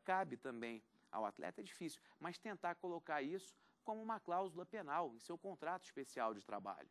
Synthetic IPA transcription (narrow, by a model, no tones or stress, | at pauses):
kabɪt̪ɐ̃mbẽj̃ | a̰wa̰t̪lʔɛ̰t̪ɐɛd͡ʒifisiwmɐʃt̪ẽnt̪aɾkolokaɾisʊ̥ | kõmʊũmɐklawzulɐpenawẽj̃sewkõnt̪ɾat̪ʊiʃpesiawd͡ʒɪt̪ɾa̰ba̰ʎʊ